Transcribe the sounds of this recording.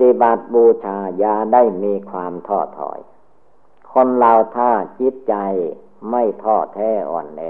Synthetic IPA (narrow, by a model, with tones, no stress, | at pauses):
t̪i˧˩ba˨˩t̪̚buː˧t͡ɕʰaː˧jaː˧daː˥˩jmiː˧kʰwaː˧mt̪ʰɔː˥˩t̪ʰɔ̰ː˨˩˦j | kʰo˧nlaː˧wt̪ʰaː˥˩t͡ɕi˦˥t̪̚t͡ɕa˧j | ma˥˩jt̪ʰɔː˧˩t̪ʰɛː˧˥˩ʔɔ̰ː˨˩nlɛ˧